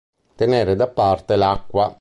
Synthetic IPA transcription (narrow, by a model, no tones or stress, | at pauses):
t̪eneːɾed̪apːart̪elakːwa